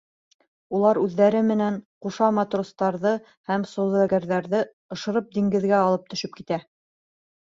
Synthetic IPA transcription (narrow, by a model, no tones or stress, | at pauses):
ulˠɑɾʉðːæɾɘmɘ̆næŋquʃɑmɑt̪rost̪ɑɾðɤ | hæmsŏðɤ̆æɡæɾðæɾðɘ | ɤ̆ʃɤ̆ɾɤp̚d̪iŋɡɘ̆ðɡæɑlˠɤp̚t̪ɵ̆ʃɘp̚kit̪æ